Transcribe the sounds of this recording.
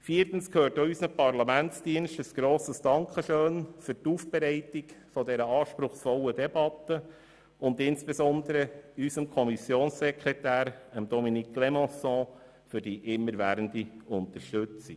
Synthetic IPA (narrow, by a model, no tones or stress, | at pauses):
fiːəɾtn̩skʰhøːrtoysnəpɑrlɑmæntsd̥iənʃtəsɡ̥ɾoːsəsd̥ɑŋkχəʃøːnfʏɾtuːfb̥ɛɾɛɪtikfɔdɛɾəɑːʃpɾʊχsfɔlːədɛbɑt̪ːə | ʊnd̪ɪnsb̥esɔnd̪əɾəysəmkʰɔmisjoːnssɛkɾɛtæːɾəmd̥ɔminikʰlɛmɔ̃sɔ̃ | fʏɾdiʔɪmːəɾʋæːɾəndiʊntəɾʃtʏt͡si